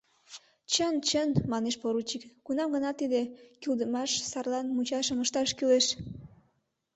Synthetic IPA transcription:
t͡ɕənt͡ɕənmɑneʃpoɾut͡ɕikːunɑmɡənɑt̪ːid̪ekyld̪əmɑʃsɑrlɑnmut͡ɕɑʃəməʃt̪ɑʃkyleʃ

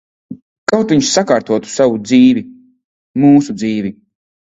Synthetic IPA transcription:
kawt̪viɲʃsakaːɾt̪uɔt̪u̥savud̪ziːvi | muːsud̪ziːvi

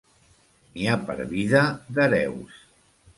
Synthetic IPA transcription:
niapə̰ɾβiðəðəɾɛ̰ws

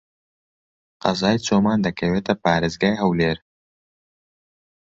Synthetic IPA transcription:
qɐzaːjt͡somaːnd̪ɐkɐwet̪ɐpaːɾɪzɡaːjɦɐwleːɾ

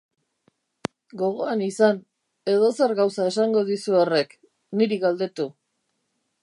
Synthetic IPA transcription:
ɡo̞ɣ̞o̞anisan | e̞ð̞o̞se̞ɾɣawsae̞saŋɡo̞ðisuore̞k | niɾiɣald̪e̞t̪u

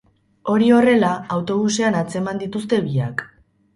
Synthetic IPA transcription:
o̞ɾio̞re̞laawt̪o̞β̞useanat͡se̞mand̪it̪ust̪e̞βiak

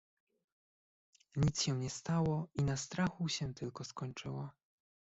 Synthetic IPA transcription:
ɲit̪sɕɛɲɛst̪awɔinast̪ɾaxuɕɛt̪ɘlkɔskɔɲt͡ʂɘ̰wa

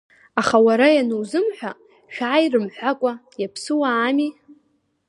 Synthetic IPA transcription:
aχawaɾajanɨwzɨmħʷᶣa | ʃᶣaːjrɨmħʷᶣakʷʼajapʰsɨwaːmi

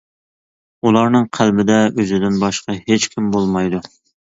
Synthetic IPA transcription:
ulˠɑɾnɨŋqʰælbɪd̪ɛʔøzɪd̪ɪnbɑʃqɑhet͡ʃkʲʰimbolˠmɑjd̪u

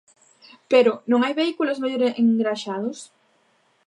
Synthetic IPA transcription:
peɾʊnõŋajβeikulozmaʎoɾeeŋɡɾaʃaðʊs

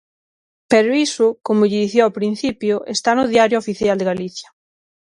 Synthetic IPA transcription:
peɾoisʊkomʊʎiðiθjoapɾin̟θipjoʔest̪anʊðjaɾjoofiθjald̪eɣaliθja

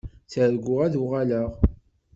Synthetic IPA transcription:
θəɾɡʷːʊʁæðuʁaləʁ

